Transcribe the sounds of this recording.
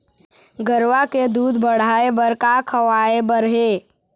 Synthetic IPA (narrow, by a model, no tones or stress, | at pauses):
ɡəɾʋaked̪uːd̪ʱbəɽ̤aːebəɾkakʰəʋaːebəɾɦeː